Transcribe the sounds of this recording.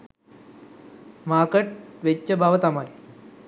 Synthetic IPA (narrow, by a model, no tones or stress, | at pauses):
maːkɐʈ̚ʋet͡ɕːɐbʱaːʋɐt̪ɐmaːj